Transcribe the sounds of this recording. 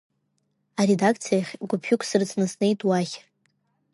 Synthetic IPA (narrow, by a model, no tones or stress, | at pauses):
aɾedakʰt͡sʰijaχʲɡʷʊpʰʊkʷʰsɨrt͡sʰnɨsnejtʼwaχʲ